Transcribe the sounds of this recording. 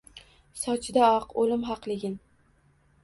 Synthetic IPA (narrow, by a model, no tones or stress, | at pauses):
sɒt͡ʃʰɪd̪aɒqolɪmɦɑqlˠɪɡʲɪn